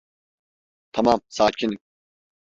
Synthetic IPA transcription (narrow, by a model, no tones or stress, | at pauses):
t̪ʰamamsaːcʰin